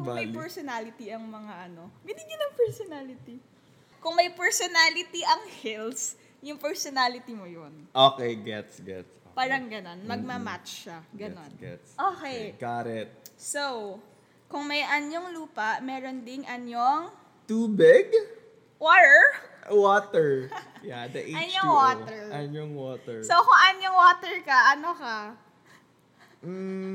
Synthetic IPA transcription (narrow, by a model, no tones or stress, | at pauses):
kʊŋmɐjpɛɹsonalɪt̪iɐŋmɐŋaʔɐno̞bɪnɪɡɪnɐŋpɛɹsonaːlɪt̪i | kʊŋmɐjpɛɹsonalɪt̪iʔɐŋhils | jʊŋpɛɹsonaːlɪt̪imojonʔoːkɛjɡɛt̪sɡɛ̰t̪paːɾɐŋɡɐno̞nmɐɡ̚mɐmat̪t͡ʃːaɡɐnonɡɛ̰ | ʔoːkɛjkaːɾɛt̪̚sow | kʊŋmɐjʔɐnjoŋluːpɐʔmɛːɾond̪ɪŋʔɐnjoŋ | t̪uːbɪɡ | woːt̪ɛɹ | woːt̪ɛɹ | jad̪ɐʔeɐnjoŋwot̪ɛɹɐnoŋwoːt̪ɛɹsowkʊŋʔɐnoŋwoːt̪ɛɹkɐʔɐnokɐ